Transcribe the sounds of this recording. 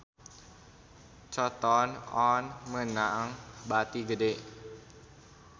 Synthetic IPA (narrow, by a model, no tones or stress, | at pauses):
t͡ʃɔt̪ɔnɔnmənaŋbat̪iɡədeʔ